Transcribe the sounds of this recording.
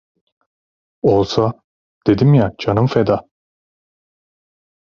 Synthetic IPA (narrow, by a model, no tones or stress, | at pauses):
olˠsa | d̪̥e̞d̪imjad͡ʒʰanɯmfed̪a